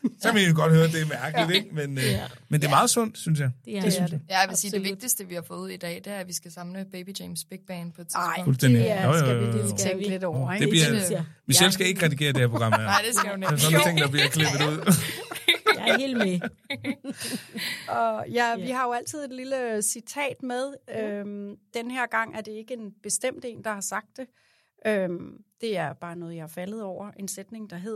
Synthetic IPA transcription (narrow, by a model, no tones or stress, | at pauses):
sɒmeuɡ̥ɒ̽d̥høːɐd̥e̝æɐmæɐɡ̥əlid̥eɡ̥menmend̥eɐmɑ̈ːð̩ˠsɔ̽n̰d̥synsjɑɪd̥d̥e̝synsjæjʋesi̥ːeʋ̝ɡ̥̚d̥isd̥əʋihɑ̈fɔ̽ːðˠuð̰ˠid̥ɛ̰ːd̥eæɐʋisɡ̥æsɑ̈mləb̥eɪb̥idemsb̥eɡ̥̚b̥ɛnpʰt͡sʰfulsd̥en̰d̥ijojojoeŋledɒd̥ebliɐmielsɡ̥æe̝ɡ̥əʁɛd̥iɡ̥e̝̰ːɐdeheæɐpʰo̝ɡ̥ʁɑ̈mæɐesnsɔnæt͡sʰe̝ŋ̰d̥ɑbliɐkʰleb̥ð̩dˠuð̞̰ˠ | he̝̰ːlme | ɒ̽jæʋiɦɑ̈jo̝æl̰t͡sʰið̰ˠe̝d̥liləsit͡sʰɛ̰ːd̥með̞ˠømd̥enheɐ̰ɡ̥ɑ̈ŋ̰æɐd̥e̝e̝ɡ̥əe̝nb̥e̝sd̥em̰d̥e̝̰ːnd̥ɑ̈hɑ̈sɑ̈ɡ̥̚d̥e̝ | ʔømd̥e̝æɐb̥ɑ̈ːnɔ̽ːð̞ˠjɑ̈fæləð̞̩ˠɒʊ̰ɐʔe̝nsed̥ne̝ŋd̥ɑ̈ɦe̝ð̰ˠ